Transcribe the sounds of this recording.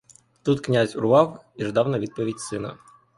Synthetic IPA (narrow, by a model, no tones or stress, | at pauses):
t̪ut̪knʲazʲʊɾʊʋɑwiʐd̪ɑwnɐʋʲid̪̚pɔʋʲidʲsɪnɐ̰